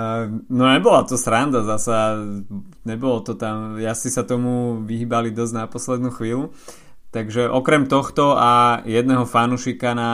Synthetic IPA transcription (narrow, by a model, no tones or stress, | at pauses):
nɔɲɛbɔlat̪ɔsɾand̪azasa | ɲɛbɔlɔt̪ɔt̪amjasisat̪ɔmuʋiɦiːbalid̪ɔznapɔslɛd̪nuːxʋiːlu | t̪aɡʒɛʔɔkɾɛmt̪ɔxt̪ɔajɛd̪nɛɦɔfanuʃikana